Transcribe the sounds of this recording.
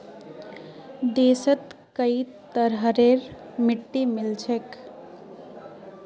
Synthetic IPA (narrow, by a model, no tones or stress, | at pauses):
d̪eːsət̪kəit̪əɾɦəɾeɾmiʈːimilt͡ʃʰek